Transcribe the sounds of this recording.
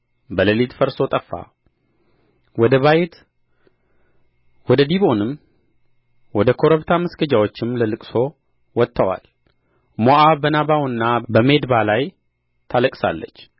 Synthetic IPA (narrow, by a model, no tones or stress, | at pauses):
bələlit̪fəɾso̞t̪ʼəfːa̰ | əβajt̪ | wɔd̪əd̪iβo̞nɨm | wɔd̪əkʰo̞ɾəβt̪ʰaməsɡəd͡ʒawot͡ʃːɪmləlɨkʼso̞ | wɔt̪ʰːəwa̰l | moʔabənabawnːabəme̞d̪balaj | t̪ʰaləkʼsa̰lːə̰t͡ʃː